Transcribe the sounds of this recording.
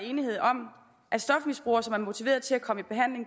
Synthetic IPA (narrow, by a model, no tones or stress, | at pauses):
e̝ːnihe̝ð̞̰ˠɒ̽m | ʔæsd̥ɒ̽fmisb̥ʁṵːɐsɒ̽mæɐmo̝t͡sʰiʋe̝̰ːɐðˠt͡sʰe̝lækʰɒ̽məib̥e̝ɦæn̰le̝ŋ